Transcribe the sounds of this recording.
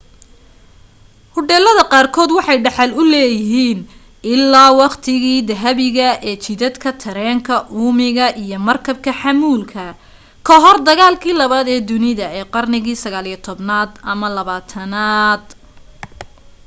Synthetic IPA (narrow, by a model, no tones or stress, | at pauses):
hʊɖɛːlɐðɐqɑːrkʰɔːd̪wɑħɑjɖɑħɑlʊlɛːjɪɦiːn | ɪlːaːwɑqt̪ʰɪɣiːd̪ɐɦɐβɪɣɐɛːt͡ʃɪðɐd̪kʰɐt̪ʰɐɾɛːŋkʰɐʔuːmɪɣɐʔijɞmɐrkʰɐb̚kʰɐħɑmuːlkʰɐ | kʰɐɦɔrd̪ɐɣaːlkʰiːlɐβaːd̪ɛːd̪ʊnɪðɐɛːqɑrnɪɣiːsɐɣaːlijɐt̪ʰɔbnaːd̪ɐmɐlɐβaːt̪ʰɐnaːd̪